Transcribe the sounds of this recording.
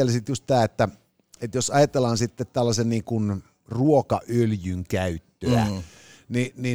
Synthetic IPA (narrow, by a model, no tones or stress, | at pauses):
elsit̪just̪t̪æːet̪ːæ | et̪josɑjɑt̪elɑnsit̪ːet̪t̪ælːɑsenniːŋkun | ruokɑʔøljyŋkæyt̪ːøæ̰ | nini